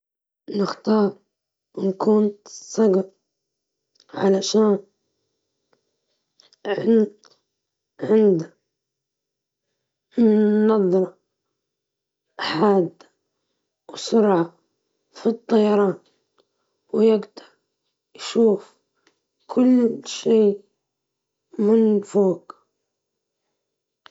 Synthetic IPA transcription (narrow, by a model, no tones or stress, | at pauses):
nɪxt̪ɑːɾˤ | wɪnkʊnt̪sˤɑɡɑɾ | ʕa̰laʃaːn | ʕɪnt̪ | ʕɪnd̪a | ɑðˤːɾˤɑ | ħaːd̪ːa | wsʊɾʕa | fit̪ˤːɑjɑɾˤɑːn | wjɪɡd̪ɑɾˤ | jʃuːf | kʰʊlːʃiː | mɪnfoːk